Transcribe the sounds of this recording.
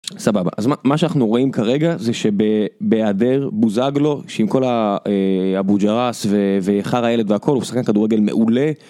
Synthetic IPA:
sababa̰ʔazmamaʃanaχnuʁo̞imkaʁe̞ɡazeʃe̞bebeadeʁbuzaɡlo̞ʃeimko̞laehabud͡ʒaʁasveveχaʁhaje̞led̪veakʰo̞lhusḁχkankaduʁeɡe̞lme̞̰ʔule̞

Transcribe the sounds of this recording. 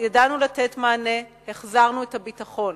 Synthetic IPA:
jadanulate̞tmaːne̞heχzaʁnuethabitaχo̞n

